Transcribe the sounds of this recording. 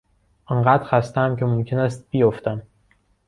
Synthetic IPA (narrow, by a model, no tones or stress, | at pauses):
ʔɑnɢæːd̪̥xæst̪ææmce̞momcʰe̞næst̪̚bijoft̪æm